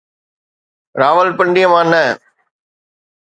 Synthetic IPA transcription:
ɾaːʋɐlpɐɳɖɪjɐmaːnːɐ

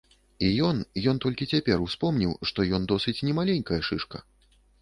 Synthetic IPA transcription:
ijɔnjɔnt̪ɔlʲkʲit͡sʲapʲɛrwspɔmnʲiwʂt̪ɔjɔnd̪ɔsɨt͡sʲnʲɛmalʲenʲkɐjɐʂɨʂkɐ̰

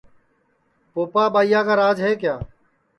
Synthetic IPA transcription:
poːpaːbaːijaːkaːɾaːd͡ʒɦeːkjaː

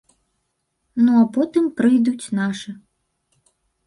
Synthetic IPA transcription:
nuapɔt̪ɨmpɾɨjd̪ut͡sʲnaʂɨ

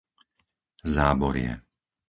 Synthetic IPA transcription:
zaːbɔɾɪɛ̰

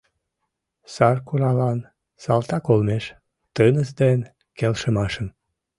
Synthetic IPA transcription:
sɑrkuɾɑlɑn | sɑlt̪ɑkolmeʃ | t̪ənəsd̪en | kelʃəmɑʃəm

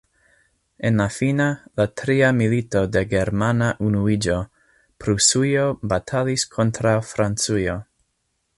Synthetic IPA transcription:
enlafinalatɾiamilito̞deɡeɾmanaʔunuid͡ʒo | pɾusujobatʰaliskʰo̞ntɾawfɾant͡sujo

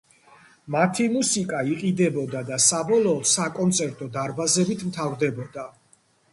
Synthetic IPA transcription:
mat̪ʰimusikʼaiqʼid̪ɛbɔd̪ad̪asabɔlˠɔːt̪sakʼɔnt̪sʼʰɛɾt̪ʼɔd̪aɾbazɛbit̪ʰmt̪ʰavɾd̪ɛbɔd̪a

